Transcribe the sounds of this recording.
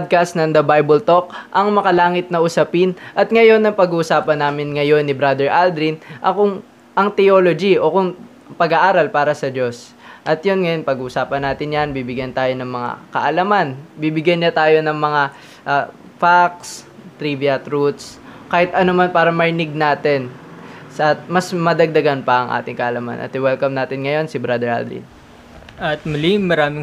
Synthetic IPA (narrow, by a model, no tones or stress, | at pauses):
pd̪̚kɐsnɐŋd̪ɐbajbɐlt̪o̞k̚ʔɐŋmɐkɐlaːŋɪt̪̚nɐʔʊsɐpɪnʔɐt̪̚ŋɐjo̞nːɐŋpɐɡuhsaːpɐnːaːmɪnŋɐjo̞nːɪbɾad̪ɛɹʔald̪ɾinʔɐkoŋ | ʔɐŋt̪ɛoːlod͡ʒiʔo̞kʊŋ | pɐɡɐʔaːɾɐlpaːɾɐsɐd͡ʒo̞s | ʔɐt̪jonŋɐjo̞npɐɡuʊsaːpɐnaːt̪ɪnjanbibɪɡjɐnt̪aːjo̞nɐŋmɐŋa̰kɐ̰ʔɐlɐmanbibɪɡjɐnɲat̪aːjo̞nɐŋmɐŋa | ʔa | fak̚st̪ɾiviɐt̪ɾut̪̚skaːhɪt̪ʔɐnomanpaːɾɐmɐɾɪnɪɡ̚naːt̪ɛnsɐt̪̚mɐsmɐd̪ɐɡ̚d̪ɐɡanpɐʔɐŋʔa̰ːt̪ɪŋkɐʔɐlɐma̰nʔɐ̰t̪ɪwɛlkɐmnaːt̪ɪnŋɐjo̞nsɪbɾad̪ɛɹʔɐ̰ld̪ɾḭn | ʔɐt̪̚mʊliŋmɐɾaːmɪŋ